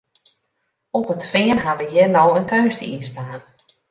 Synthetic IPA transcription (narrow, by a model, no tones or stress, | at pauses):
ɔpətfɪːənɦaʋəjɪnowənkøːstəisbaːn